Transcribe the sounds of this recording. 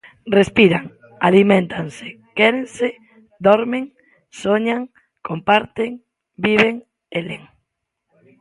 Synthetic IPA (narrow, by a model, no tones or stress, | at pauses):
respiɾaŋ | a̰limẽnt̪ʰanse̥ | kɛɾẽnse | d̪oɾmeŋ | soɲaŋ | kompaɾt̪eŋ | biβeŋ | eleŋ